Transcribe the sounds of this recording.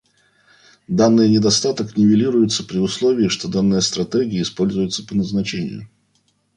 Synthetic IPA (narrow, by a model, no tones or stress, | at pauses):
d̪anːɨjnʲɪd̪ɐst̪at̪əknʲɪvʲɪlʲiɾʊjʊt̪səpɾʲɪʊslˠovʲɪːɪʂt̪o̞d̪anːɨjəst̪ɾɐt̪ɛɡʲɪɪːspo̞lʲzʊjʊt̪səpənəznɐt͡ɕenʲɪ̰jʊ̰